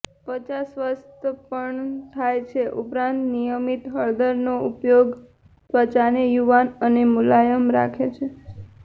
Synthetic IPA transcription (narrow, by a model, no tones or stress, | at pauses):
pət͡ʃasʋəst̪əpəɳt̪ʰajt͡ʃʰeʔupɾãnt̪nijəmit̪ɦəɭd̪əɾnoupjoɡ | sʋət͡ʃanejuʋanənemulajəmɾa̰kʰet͡ʃʰe